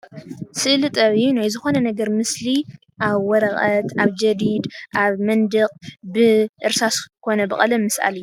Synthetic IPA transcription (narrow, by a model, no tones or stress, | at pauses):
sɨʔlɨt̪ʼɐβɨjːunajzɨxo̞nɐnɐɡɐɾmɨsli | ʔaβwɔɾɐxʼɐt̪aβd͡ʒɐd̪id̪ʔaβmɐnd̪ɨqʼbɨʔɨɾsaskʰo̞nɐbɨχʼɐlɐmɨsʔa̰lɨju